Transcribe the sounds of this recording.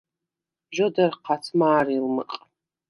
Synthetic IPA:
ʒʷodɐrqʰat͡sʰmaːrilmɨ̰qʼ

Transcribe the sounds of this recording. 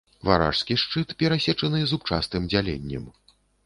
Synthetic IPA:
va̰ɾa̰ʂskʲiʂt͡ʂɨt̪pʲɛɾasʲɛt͡ʂɐnɨzupt͡ʂa̰st̪ɨmd͡zʲalʲḛnʲːɛ̰m

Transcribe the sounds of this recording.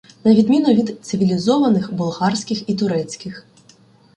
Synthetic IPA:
nɐʋʲid̪mʲinʊʋʲid̪t̪sɪʋʲilʲizɔʋɐnɪxbʊlˠɦɑrsʲkʲɪxit̪ʊɾɛt͡sʲkɪx

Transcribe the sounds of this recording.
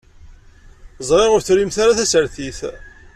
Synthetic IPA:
zˤʁeʁʊɾθɾimθaɾaθæsəɾθiθ

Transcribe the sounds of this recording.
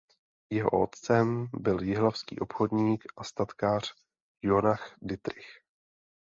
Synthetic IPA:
jɛɦo̞̰ʔot̪t͡sɛmbɪljɪɦlafskḭːʔo̞pxo̞dɲiːkʔast̪at̪kaːr̝̥ | jonaxdɪt̪ɾɪx

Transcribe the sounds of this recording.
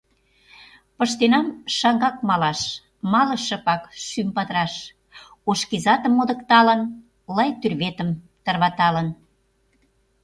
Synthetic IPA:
pə̆ʃt̪enɑmʃɑŋɡɑk̚mɑlɑʃ | mɑlə̆ʃə̆pɑkʃympɑt̪ɾɑʃ | oʃkizɑt̪əmːod̪ə̆kt̪ɑlən | lɑjt̪yrβet̪əm | t̪ərβɑt̪ɑlən

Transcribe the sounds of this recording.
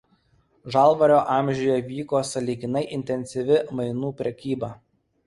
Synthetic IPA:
ʒɑˑlˠʋɐɾʲoːʔɑˑmʲʒʲʊjɛʋʲiːkoːsɐlʲiːɡʲɪnɐɪʔɪnʲt̪ʲɛnʲsʲɪʋʲɪmɐɪnuːpʲɾʲɛkʲiːbɐ

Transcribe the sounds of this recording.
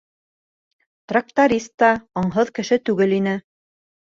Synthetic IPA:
t̪rak̚t̪oɾʲist̪ːɑoɴɦɤðkɘ̆ʃɘt̪ʉɡɘlinɘ

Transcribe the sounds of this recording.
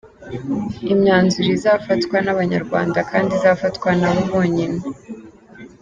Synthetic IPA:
imɲaːnzuɾizaːfatkwanaβaɲa̰ɾɡwa̰ːndakaːndizafatwanaβuβoːɲine

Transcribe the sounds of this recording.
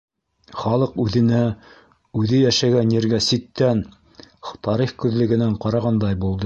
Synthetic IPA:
χɑlˠɤqʉðɘ̆næ | ʉðɘjæʃæɡænjeɾɡæsit̪ːæn | t̪ɑɾiχkʉðlɘ̆ɡɘ̆næɴqɑɾɑʁɑnd̪ɑjbulˠd̪ɤ

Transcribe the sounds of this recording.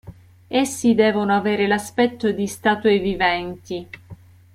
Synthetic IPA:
esːid̪ɛːvonoaveːɾelaspɛt̪ːod̪ist̪aːt̪uwevivɛnt̪i

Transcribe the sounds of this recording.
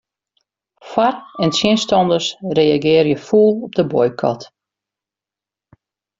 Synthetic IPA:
fwarɛnsjɪnstɔndəsrejaɡɪːrjəfuːlˠɔp̚dəbɔjkʰɔ̰t

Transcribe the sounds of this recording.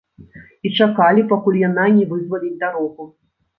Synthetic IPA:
it͡ʂakalʲipakulʲjananʲɛvɨzvɐlʲilʲd̪aɾɔɣu

